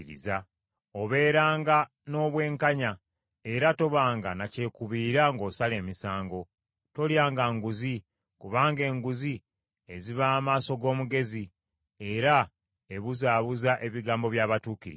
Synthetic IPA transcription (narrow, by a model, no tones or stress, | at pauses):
ɾḭza | o̞βe̞ːɾaːŋɡa | no̞ːβwe̞ːŋkaɲa | e̞ɾato̞βaːŋɡanace̞kuβiːɾaŋɡo̞ːsale̞ːmisaːŋɡo̞ | to̞ljaːŋɡaŋɡuzi | kuβaːŋɡe̞ːŋɡuzi | e̞ziβaːmaːso̞ɡo̞ːmuɡe̞zi | e̞ɾa | e̞βuzaːβuzaʔe̞βiɡaːmbo̞βjaːβatuːkiɾḭ